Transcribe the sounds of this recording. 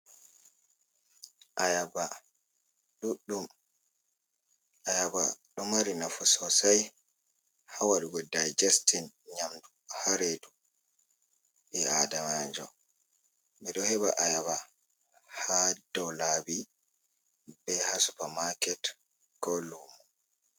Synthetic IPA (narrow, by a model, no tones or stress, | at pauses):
ʔajaba | ɗuɗːum | ʔajaba̰ɗɔmaɾinafɔsɔsaj | hawaɗuɡɔdajd͡ʒastin | ɲamduhaɾedu | bɛadamand͡ʒɔ̰ | ɓɛɗɔhɛbaʔajaβa | hadɔlabi | bɛhasu̥pamakɛt | ɡ̥ɔlumu